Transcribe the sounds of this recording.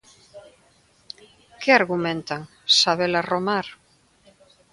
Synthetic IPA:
keaɾɣumẽnt̪aŋ | saβelaromaɾ

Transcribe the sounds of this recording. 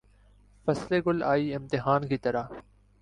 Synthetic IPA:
fəsleːɡʊlaːiːɪmt̪ɪɦaːnkiːt̪əɾaː

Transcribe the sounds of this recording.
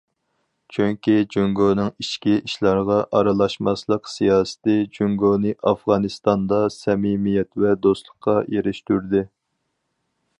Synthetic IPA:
t͡ʃʰyŋkʲid͡ʒyŋɡonɨŋiʃkʲiʔiʃlˠɑɾʁɑʔɑɾɑlˠɑʃmɑslˠəqsijɑːsɨ̥t̪ɪd͡ʒyŋɡonɨʔɑfʁɑnɨst̪ɑnd̪ɑsɛmimijɛt̪vɛd̪ost̪lˠəqʰːɑjeɾɪʃt̪yɾd̪ɪ

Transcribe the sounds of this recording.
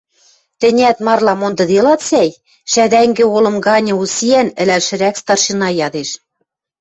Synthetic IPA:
t̪ɘ̆nʲæt̪mɑrlɑmond̪ɤ̆d̪elɑt̪sæj | ʃæd̪æŋɡɘ̆olɤ̆mɡɑnʲɤ̆usiænɘ̆lælʃɘ̆ɾækst̪ɑrʃinɑjɑd̪eʃ

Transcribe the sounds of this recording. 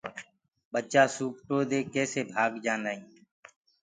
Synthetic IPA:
ɓət͡ʃaːsuːp̚ʈoːd̪eːkɛːseːbʱaːɡd͡ʒaːnaːĩː

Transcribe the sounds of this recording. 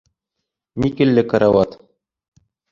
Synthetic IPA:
nʲikɘ̆lːɘkɑɾɑwɑt̪

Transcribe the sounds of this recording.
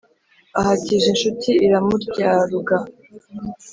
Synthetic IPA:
ahaciʒenʃutʰiiɾamuɾɟaːɾuɡa

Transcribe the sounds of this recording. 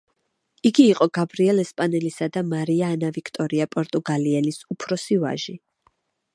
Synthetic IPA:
iɡiːqʼɔɡabɾiɛlɛspʼanɛlisad̪amaɾiaːnavikʰt̪ʼɔɾiapʼɔɾt̪ʼuɡaliɛlisupʰɾɔsiva̰ʒi

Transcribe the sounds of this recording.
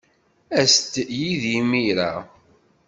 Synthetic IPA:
æst̪jiðimiɾa̰

